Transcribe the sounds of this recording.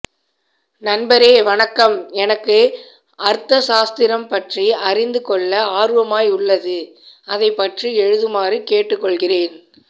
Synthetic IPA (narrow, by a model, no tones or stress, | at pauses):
nɐnbɐɾeːʋɐɳɐkːɐmɛnɐkːɯ | ʔɐɾt̪ːɐsaːst̪ɪɾɐmpɐʈriɐrɪnd̪ɯkɔɭːɐaːɾɯʋɐmaːjʊɭːɐðɯ | ɐðɐɪpːɐʈriɛɻɯðɯmaːrɯkeːʈːɯkːɔɭɣɪreːn